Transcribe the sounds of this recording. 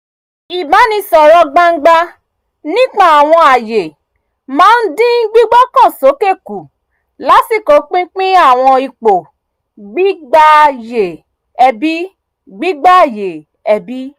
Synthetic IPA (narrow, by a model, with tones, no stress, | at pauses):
i˨bã˨˦nĩ˧sɔ˨ɾɔ˧˦ɡ͡ba˦˧ŋ̩˦ɡ͡ba˧ | nĩ˦k͡pa˦˨a˨w̃ɔ̃˧a˨je˨ | mãː˨˦n̩˦dĩ˦n̩˦ɡ͡bi˦ɡ͡bɔ˦kã˦˨so˨˦ke˦˨ku˨ | la˨˦si˦˨ko˨˦k͡pĩ˦k͡pĩ˦a˦˨w̃ɔ̃˧i˧k͡po˨ | ɡ͡bi˦ɡ͡ba˧je˨ | ɛ˧bi˦ | ɡ͡bi˦ɡ͡ba˦˨je˨ | ɛ˧bi˦